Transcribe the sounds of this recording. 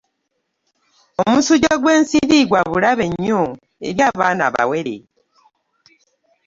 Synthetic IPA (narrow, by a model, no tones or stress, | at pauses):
o̞musuɟoɡwe̞ːnsiɾiɡwaβulaβe̞ɲːo | ḛɾjaːβaːna̰βa̰we̞ɾḛ